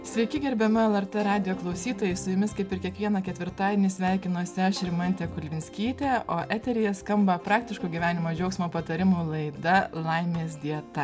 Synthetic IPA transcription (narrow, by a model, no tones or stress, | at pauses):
sʲʋʲɛɪkʲɪɡʲɛɾʲbʲɛmʊɛlˠɛɾt̪ɛɾɑːd̪ʲɪjoːklˠɐʊsʲiːt̪oːjɛɪsʊjʊmʲɪskɐɪpɪɾkʲiɛkʋʲiɛnɑkʲɛt̪ʲʋʲɪɾt̪ɑːd̪ʲenʲɪsʲʋʲæˑɪkʲɪnoːsʲɪɐʃɪɾʲmɐnʲt̪ʲekʊlʲʋʲɪnʲsʲkʲiːt̪ʲeːoːʔæːt̪ʲɛɾʲɪjɛskɐmbɐpɾɑːk̚t̪ʲɪʃkoːɡʲiʋʲæːnʲɪmoːd͡ʒʲɛʊksʲmoːpɐt̪ɐɾʲɪmuːlˠɐɪd̪ɐlˠɐɪmʲeːsd̪ʲiɛt̪ɐ